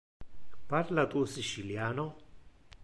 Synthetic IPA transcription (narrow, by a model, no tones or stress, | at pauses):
paɾlat̪usit͡ʃiljaːno